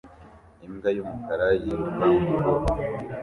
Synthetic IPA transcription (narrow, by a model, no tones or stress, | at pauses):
imɡajumukaɾajimuma